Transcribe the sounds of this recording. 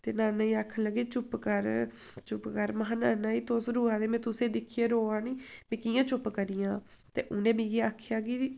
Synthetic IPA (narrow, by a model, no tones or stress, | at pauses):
t̪eːnaːnaːĩːaːkʰːənləɡeːt͡ʃʊpkəɾ | t͡ʃʊpkəɾməɦãːnaːnaːiːt̪oːsɾuːãːd̪eːmɛ̃ːt̪ʊsẽːd̪ɪkʰːijeːɾoːaːniːmɛ̃ːkijãːt͡ʃʊpkəɾiːjãː | t̪ḛːʔʊnẽːmĩːɡiːaːkʰjaːɡiː